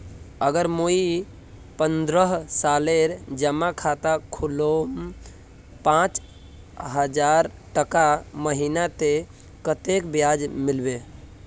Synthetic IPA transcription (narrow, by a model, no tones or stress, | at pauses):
əɡəɾmoi | pənd̪ɾəɦsaleɾd͡ʒəmakʰat̪akʰulom | pãt͡ʃ | ɦəd͡ʒaɾʈəkaməɦinat̪e | kət̪ekbjad͡ʒmilbe